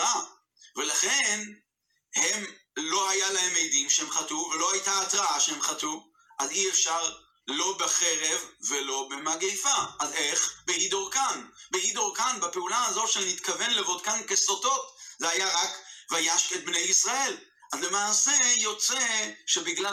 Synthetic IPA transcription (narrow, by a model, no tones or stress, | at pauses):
a | velaχen | he̞mlo̞hajalahe̞mejdimʃehemχatuvelo̞hajtaːt̪ʁaaʃehemχatu | ʔaziefʃaʁ | lo̞beχe̞ʁevːelo̞bemaɡejfaʔːzeχbeid̪oʁkanbeid̪oʁkanbepeulazo̞tʃenit̪kave̞nlevot̪kankesot̪o̞t̪zeajaʁakvajaʃket̪̚bne̞jisʁae̞l | azlemaːsejo̞t͡seʃebiɡla